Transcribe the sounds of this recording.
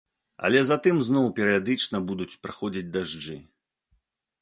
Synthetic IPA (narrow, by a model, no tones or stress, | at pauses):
ɐ̰lʲɛzat̪ɨmznɔwpʲɛɾɨjad̪ɨt͡ʂnɐbud̪ut͡sʲpɾa̰xɔd͡zʲid͡zʲd̪aʐd͡ʐɨ̰